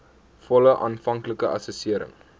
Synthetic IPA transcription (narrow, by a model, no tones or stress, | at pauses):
fɔləʔɑ̰ːnfɐŋkləkəʔɐ̰səsiəɾə̰ŋ